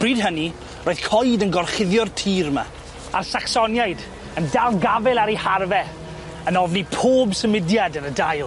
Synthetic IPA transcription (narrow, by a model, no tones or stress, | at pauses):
b̥riːdɦəni | roːɨð̥kʰɔjdənɡɔrχɪðjɔrtʰiːrma̰ | arsaksɔnjajd | əndalˠɡavɛlˠaɾiharvɛ | ənɔvnipʰoːbsəmɪdjadənədajlˠ